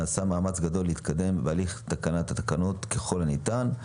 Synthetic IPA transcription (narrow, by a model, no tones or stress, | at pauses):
aːsamaːmat͡sɡad̪o̞lːeit̪kad̪e̞mbealiχt̪akanat̪at̪akano̞t̪keχo̞lanit̪an